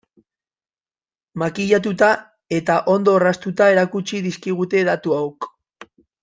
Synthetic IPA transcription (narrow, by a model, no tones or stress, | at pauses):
makiʎat̪̬ut̪a | e̞t̪aʔo̞nd̪o̞rast̪ut̪ae̞ɾakut͡ʃiðiskiɣ̞ut̪e̞ðat̪uawk